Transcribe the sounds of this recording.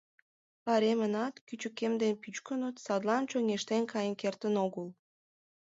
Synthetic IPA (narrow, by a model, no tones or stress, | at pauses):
pɑɾemənɑt̪kyt͡ɕə̆kemd̪enpyt͡ɕkənot̪sɑd̪lɑnt͡ɕoŋʲeʃt̪enkɑjənkert̪ənoɣəl